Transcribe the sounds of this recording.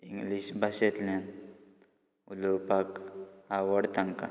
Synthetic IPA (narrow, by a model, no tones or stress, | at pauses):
iŋɡliɕbʱaɕet̪lan | ulopakawəɽt̪aŋka̰